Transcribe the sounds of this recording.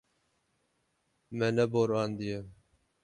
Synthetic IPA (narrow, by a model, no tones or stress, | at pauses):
mɛnɛboɾɑːnd̪ije